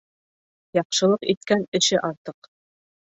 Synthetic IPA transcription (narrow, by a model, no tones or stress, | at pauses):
jɑqʃɤ̆lˠɤqit̪̚kænɘ̆ʃɘʔɑɾt̪ɤq